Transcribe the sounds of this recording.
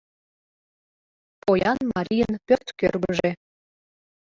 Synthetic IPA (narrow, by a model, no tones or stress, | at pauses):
pojɑnmɑɾʲijənpʲørt̪kørɡəʒe